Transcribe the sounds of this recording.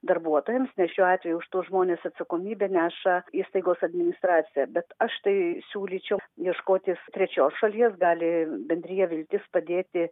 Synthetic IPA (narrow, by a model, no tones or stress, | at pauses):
d̪ɐrbuɔt̪oːjɛmsnʲɛʃʲuːɑːt̪ʲʋʲɛjuʊʃt̪uːʒmoːnʲeːsɐt̪sɐkoːmʲiːbʲɛːnʲæːʃɐiːst̪ɐɪɡoːsɐd̪ʲmʲɪnʲɪst̪rɑːt̪sʲɪjɛbʲɛt̪ɐʃt̪ɐɪsʲuːlʲiːt͡ʃʲɛʊjiɛʃkoːt̪ʲɪst̪ʲɾʲɛt͡ʃʲoːsʃɐlʲiɛsɡɑːlʲɪbʲɛnʲd̪ʲɾʲiːjɛʋʲɪlʲt̪ʲɪspɐd̪ʲeːt̪ʲɪ